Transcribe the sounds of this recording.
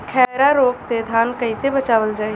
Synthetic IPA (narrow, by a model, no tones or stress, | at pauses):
kʰɛɾaɾoːksed̪ʱaːnkɐisebɐt͡ʃaːʋəld͡ʒaːe